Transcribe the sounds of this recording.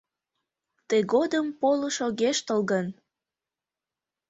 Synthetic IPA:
t̪ejɣod̪əmpoləʃoɣeʃt̪əlɣən

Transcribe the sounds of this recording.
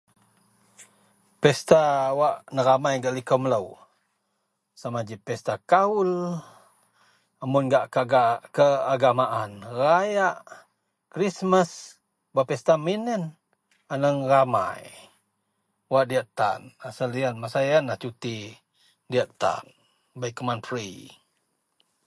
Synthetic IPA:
pɛst̪awaʔnəɾamajɡaʔlikɔmələw | samad͡ʒipɛst̪akaul | amunɡaʔaɡakəaɡamaʔanrajaʔ | kɾisməs | bapɛst̪aminən | anəŋrama̰j | waʔdiaʔt̪a̰nasalianmasajanlaht͡ʃut̪i | diaʔt̪a̰n | bajkəmanfɾi

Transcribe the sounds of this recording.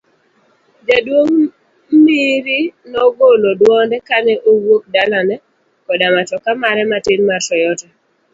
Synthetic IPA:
d͡ʒadwoŋ | miɾinɔɡolodwɔndɛkanɛʔowok̚dalanɛ | kɔdamatɔkamaɾɛmatɪnmarʃɔjɔta

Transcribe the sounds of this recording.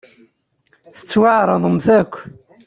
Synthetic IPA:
θə̥t͡sːwaʕɾˤɑðˤəmθækʷː

